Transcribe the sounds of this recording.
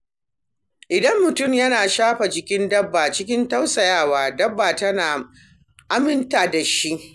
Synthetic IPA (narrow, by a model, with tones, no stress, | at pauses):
ʔɪ˨dɐ˦mːʊ˨tʊ˦˨mjɐ˦naː˨ʃaː˦ɸa˨d͡ʒɪ˦kʲɪ˦ndɐ˦bːaː˨t͡ʃɪ˦kʲɪ˦ntɐ˦wsɐ˨jaː˦˨waː˨dɐ˦bːaː˨tɐ˦naː˨ | ʔa˦mɪ˦ntaː˨da˨ʃi˦ʔ